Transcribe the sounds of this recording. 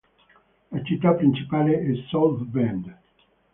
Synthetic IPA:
at͡ʃit̪apɾĩnsipaleʔɪzsɔlθbɛ̃nd̪

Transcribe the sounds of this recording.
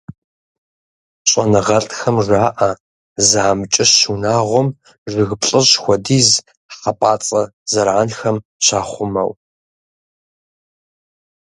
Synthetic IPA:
ɕʼɐnɨʁɐɬʼxɐmʐaːʔɐ | zaːmt͡ʃʼɪɕːunaːʁʷɔm | ʒɨɣɨpɬʼɨʑxʷɔdiːz | χɐpʼaːt͡sʼɐzɐɾʕaːnxɐmɕaːχʷʊmɐ̰w

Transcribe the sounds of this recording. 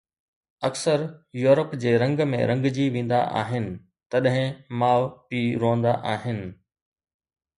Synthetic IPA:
ɐksəɾjuːɾəpd͡ʑeːɾɐ̃ŋɡmḛ̃ɾɐ̃ŋɡd͡ʑiʋẽːn̆d̪a̰ʔa̰ːɦɪnɪ̆ | t̪ɐɗɦɪ̃maːʋpiɾõːə̃nd̪aʔaːɦɪnɪ̆

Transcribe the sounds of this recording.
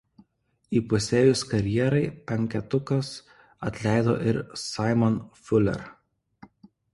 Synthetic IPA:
iːpʊsʲeːjʊskɐɾʲjiɛɾɐɪpʲɛŋʲkʲɛt̪ʊkɐs | ɐt̪ʲlʲæɪd̪o̰ːʔɪɾsɑɪmɔnfʲʊlʲɛ̰ɾ

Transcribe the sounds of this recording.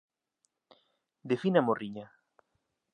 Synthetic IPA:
d̪efinamoriɲa

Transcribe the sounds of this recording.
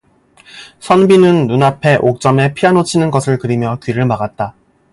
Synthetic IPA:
sʰʌnbinɯnːunapʰe̞ʔok̚t͡ɕ͈ʌme̞pʰianot͡ɕʰinɯnɡʌsʰɯɭkɯɾimjʌkɥiɾɯɭmaɡat̚t͈a

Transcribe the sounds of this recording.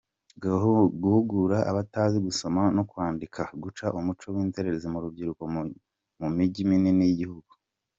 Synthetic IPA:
ɡaɡuhuɡuɾaa̰βataːziɡuso̞mano̞kwaːndikʰaɡut͡ʃaʔumut͡ʃo̞wiːnte̞ɾe̞ɾezemuɾub̚ɟiɾuko̞ | mumiɟimininijiɟihuɡu̥

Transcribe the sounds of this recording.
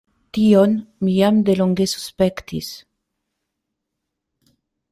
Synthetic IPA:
t̪ionmijamd̪e̞loŋɡe̞su̥spe̞kt̪is

